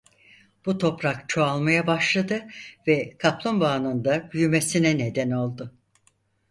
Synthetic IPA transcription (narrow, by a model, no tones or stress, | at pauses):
b̥ut̪ʰo̞pɾakt͡ʃʰo̞alˠmajabaʃlˠad̪ɯvɛkʰaplˠonbaːnɯnd̪abyjymesinɛned̪ɛno̞lˠd̪ʊ